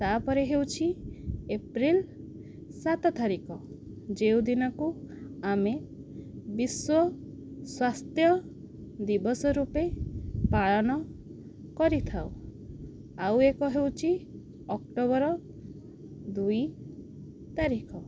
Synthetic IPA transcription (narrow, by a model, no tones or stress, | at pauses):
t̪apɔɾeɦewt͡ʃʰiepɾil | sat̪ɔt̪aɾikɔ | d͡ʒewd̪inɔkuame | biswɔ | swast̪jɔ | d̪ibɔsɔɾupepaɭɔnɔ | kɔɾit̪ʰaw | awekɔɦewt͡ʃʰi | ɔkʈobɔɾɔ | d̪uj | t̪aɾikʰɔ